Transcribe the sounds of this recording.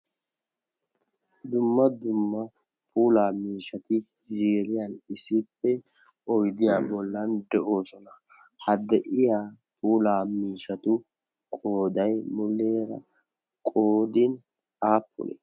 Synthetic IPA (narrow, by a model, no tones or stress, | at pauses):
d̪ʊmːɐd̪ʊmːɐ | pʰuːlaːmiːʃɐt̪ɪzeːɾɪjɐnɪsɪpːɛ | ɔjd̪ɪjaːbɔlːɐnd̪ɛʔo̞ːsɔnɐ | hɐd̪ɛʔɪjaː | pʰuːlaːmiːʃɐt̪ʊ | kʼo̞ːd̪ɐjmʊlːeːɾɐ̰ | kʼoːd̪ɪn | aːpːʊ̰lḛ